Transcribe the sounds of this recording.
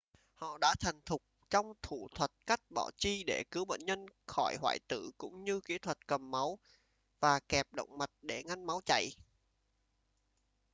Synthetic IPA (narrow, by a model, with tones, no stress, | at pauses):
hɔ̰˧˨ɗa̰ː˧˥t̪ʰa˨˩jŋ̟t̪ʰʊ˨˩k͡p̚t͡ɕɔ˧wŋ͡mt̪ʰu˧˩t̪ʰwə˨˩t̚ka˦˥jk̟̚ɓɔ̰ː˧˩wt͡ɕi˧ɗe˧˩kɨ˨˦wɓə̰ː˧˨nɲə˧nxɔ˧˩jɦwa̰ː˧˩jt̪ɨ̰˧˨kʊ̰˧˥ŋ͡mɲɨ˧ki˨˦t̪ʰwə˨˩t̚kə˨˩mːa˨˦w | vaː˨˩kɛ˨˩p̚ɗə̰˧˨wŋ͡mma˨˩t̚ɗe˧˩ŋa˧nma˨˦wt͡ɕa̰˧˨j